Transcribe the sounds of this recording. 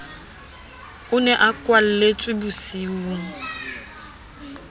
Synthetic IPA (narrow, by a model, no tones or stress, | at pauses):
ʊnɛʔakʼwal̩let͡sʼwɪbʊsiːwuŋ̩